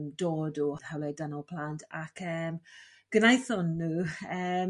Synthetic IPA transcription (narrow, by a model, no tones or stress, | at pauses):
mdoːdɔhawlɛdanɔlˠpʰl̥antʰakʰəːmɡ̥ənajθɔnːuːəː